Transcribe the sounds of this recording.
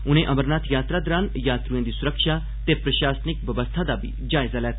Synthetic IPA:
ʊn̤ẽʔɐməɾnaːt̪jaːt̪ɾad̪əɾaːnjaːt̪ɾuẽːd̪isʊɾəkʃa | t̪epɾəʃaːsnɪk̚ʋəbəst̪ʰad̪abʱḭd͡ʒaːɪzalɛːt̪ʰ

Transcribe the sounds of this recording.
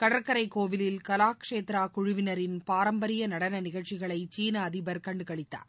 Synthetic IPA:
kɐɽɐɾkɐɾɐɪkːoːʋɪlɪlkɐlaːkʂeːt̪ɾaːkʊɻʊʋɪnɐɾɪnpaːɾɐmbɐɾɪjɐnɐɽɐnɐnɪɣɐɭt͡ʃːɪɣɐɭɐɪt͡ʃiːnɐːðɪbɐɾkɐɳɖɯkɐɭɪt̪ːa̰ː

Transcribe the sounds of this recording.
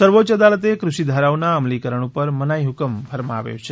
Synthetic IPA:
səɾʋot͡ʃəd̪alət̪ekɾuʃid̪ʱaɾawnaəmlikəɾəɳ̃upəɾmənajɦukəmbʱəɾmaa̰ʋjo̰t͡ʃʰe

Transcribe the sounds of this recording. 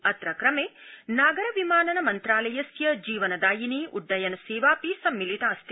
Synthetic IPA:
ɐt̪ɾɐkɾɐmeːnaːɡɐɾɐʋimaːnɐnɐmɐnt̪ɾaːlɐjɐsjɐd͡ʒiːʋɐnɐd̪aːjiniʔuɖːɐjɐnɐseːʋaːpisɐmːilit̪aːst̪

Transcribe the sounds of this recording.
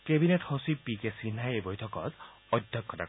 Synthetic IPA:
kebineʈhɔsipikesinajebɔjtʰɔkɔt̪ | ɔd̪ʱjɔkːɔt̪a̰

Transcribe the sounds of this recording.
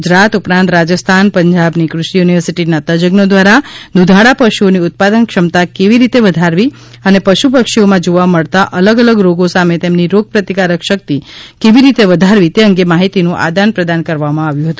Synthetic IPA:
ud͡ʒɾat̪upɾãnt̪ɾad͡ʒəst̪ʰanpəɲd͡ʒabnikɾʊʃijuniʋəɾsiʈinat̪ad͡ʒəɡnod̪ʋaɾanud̪ʱaɽapəʃuoniʊt̪̚pad̪ənkʃəmt̪akeʋiɾit̪eʋəd̪ʱaɾʋi | ənepəʃupəkʃiomãd͡ʒoʋaməɭt̪aʔələɡələɡɾoɡosamet̪emniɾoɡ̚pɾət̪ikaɾəkʃək̚t̪ikeʋiɾit̪eʋəd̪ʱaɾʋit̪eəŋɡemaɦit̪inũʔa̰d̪anpɾəd̪ankəɾʋamãaʋjũɦət̪ũ

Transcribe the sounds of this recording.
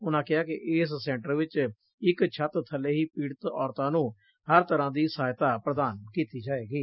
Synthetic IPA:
ʊnãːkɪɦaːkɪʔeːsːɛ̃ːɳʈəɾʋɪt͡ʃ | ɪkt͡ʃʰət̪t̪ʰːəleːɦiːpiːɽət̪ɔːɾt̪ãːnũː | həɾt̪əɾãːd̪iːsaːjt̪aːpɾəd̪aːnkiːt̪iːd͡ʒaːeːɡiː

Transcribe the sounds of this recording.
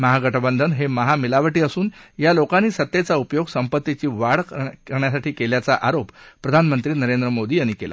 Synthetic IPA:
məɦaɡəʈəbənd̪ʱənɦeməɦamilaʋəʈiːəsuːnjalokanːiːsət̪ːjet͡saupjoɡsəmpət̪ːit͡ɕiːʋaɽkəɾɳjasaʈʰiːkeljat͡saʔaɾoppːɾəd̪ʱanmənt̪ɾiːnəɾend̪ɾəmod̪iːañikela̰

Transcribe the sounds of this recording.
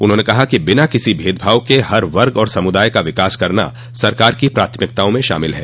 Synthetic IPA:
ʊnɦõːnekɐɦakibɪnakɪsibʱeːd̪bʱaːʋkeɦɐɾʋɐɾɡɔːɾsɐmʊd̪aːjkaʋɪkaːskɐɾna̰ | sɐɾkaːɾkipɾaːt̪ʰəmɪk̚t̪aːõmẽʃa̰ːmɪlɦɛ̰ː

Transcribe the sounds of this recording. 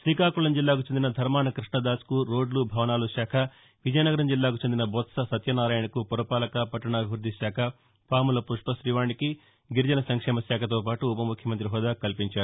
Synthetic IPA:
ʃɾiːkaːkulɐmd͡ʒilːaːkut͡ʃend̪inɐd̪ʱɐɾmaːɳɐkɾiʂɳɐd̪aːskuɾo̞ːɖlubʱɐʋɐnaːluʃaːkʰɐ | ʋid͡ʒɐjnɐɡɐɾɐmd͡ʒilːaːkut͡ʃend̪inɐbɔt̪sɐsɐt̪jɐnaːɾaːjɐɳɐkupɔɾɐpaːlɐkɐpɐʈːɐɳɐɐbʱiʋɾud̪ʱːiʃaːkʰɐ | paːmulɐpuʂpɐʃɾiʋaːɳɖiki | ɡiɾd͡ʒɐnɐsɐŋkʂɛːmɐsaːkʰɐt̪oːpaːʈuːpɐmukʰjɐmɐnt̪ɾiɦɔːd̪aːkɐlpiɲt͡ʃaːɾu

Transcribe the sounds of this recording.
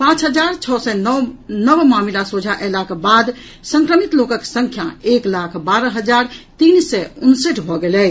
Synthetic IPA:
pãt͡ʃɦəd͡ʒaɾt͡ʃʰɔsɛnnəbmamilasod͡ʒʱaʔɛlakebad̪ | sə̃ŋkɾəmit̪lokəksə̃ŋkʰjaeklakʰbaɾəɦəd͡ʒaɾt̪insɛunsəʈʰbʱɔɡelɛ

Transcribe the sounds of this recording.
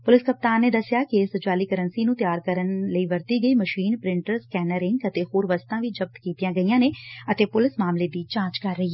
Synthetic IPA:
pʊlɪskəp̚t̪aːnːeːd̪əsɪjaːkɪsət͡ʃaːliːkəɾənsiːnũːt̪jaːɾkəɾənləiːʋəɾt̪iːɡəiːməʃiːnpɾɪɳʈəɾskɛːnəɾɪ̃ŋɡət̪eːhoːɾʋəst̪ãːʋiːd͡ʒəb̚t̪kiːt̪ijãːɡəijãːneːət̪eːpʊlɪsmaːmleːd̪iːt͡ʃãːt͡ʃkəɾːəɦiːɛ

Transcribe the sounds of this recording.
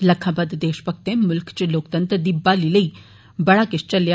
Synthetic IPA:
ləkʰːãːbəd̪d̪eːʃpək̚ʰt̪ẽːmʊlkt͡ʃloːk̚t̪ə̃nt̪ɾd̪iːbaːliːləiː | bəɽaːkɪst͡ʃəlja

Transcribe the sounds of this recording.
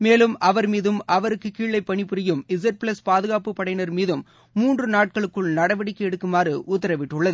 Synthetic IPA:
meːlɯmʔɐʋɐɾmiːðɯmʔɐʋɐɾɯkːɯkːiːɭɐɪpːɐɳɪpʊɾɪjɯmɪs̬ɛʈ̚pɭɐspaːðɯɣaːpɯpːɐɽɐɪnɐɾmiːðɯmː | uːndrɯnaːʈ̚kɐɭɯkːɯɭnɐɽɐʋɐɽɪkːɛɽɯkːɯmaːrɯʔʊt̪ːɐɾɐʋɪʈːɯɭːɐðɯ

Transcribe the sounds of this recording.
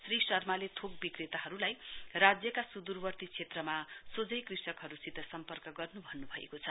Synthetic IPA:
srisʌrmalet̪ʰok̚bikrit̪aɦʌɾulajrad͡zjʌkasud̪urbʌrt̪it͡sʰet̪rʌmasod͡zʌjkrisʌkɦʌɾusit̪ʌsʌmpʌrkʌɡʌrnubʱʌnːubʱʌḛkot͡sʰʌ

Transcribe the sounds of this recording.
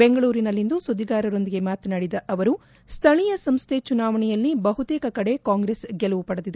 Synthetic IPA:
beŋɡɐɭuːɾinɐlːind̪usod̪iɡaːɾɐɾo̞nd̪iɡe̞maːt̪ɐnaːɽid̪ɐʔɐʋɐɾu | st̪ʰɐɭijɐsɐmst̪ʰe̞t͡ʃunaːʋɐɳɛjɐlːibɐɦut̪eːkɐkɐɽe̞kaːŋɡɾesɡɛluʋupɐɽɐd̪id̪e

